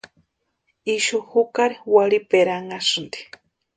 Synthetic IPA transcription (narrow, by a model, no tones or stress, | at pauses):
iʃuhukaɾiwalipeɾaŋasɨnd̪i̥